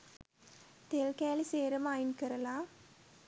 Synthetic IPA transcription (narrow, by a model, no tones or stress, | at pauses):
t̪eːlkeːliseːɾɐmaːjɪnkɪɾɐlaː